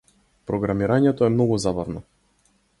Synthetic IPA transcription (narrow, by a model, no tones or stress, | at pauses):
pɾɔɡɾamiɾaɲɛt̪ɔɛmnɔɡuzabavnɔ